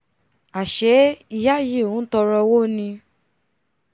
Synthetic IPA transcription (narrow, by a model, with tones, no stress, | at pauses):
a˨ʃɛ˨˦i˧˨ja˦je˦˨ũ˨˦tɔ˧ɾɔ˧wo˦nĩ˧